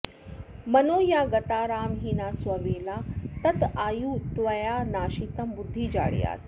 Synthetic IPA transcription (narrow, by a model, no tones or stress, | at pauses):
mɐnoːjaːɡɐt̪aːɾaːmɦiːnaːswɐʋeːlaːt̪ɐt̪aːjuːt̪ʋɐjaːnaːʃit̪ɐmbʊd̪ʱːiːd͡ʒa̰ːɽḭja̰ːt̪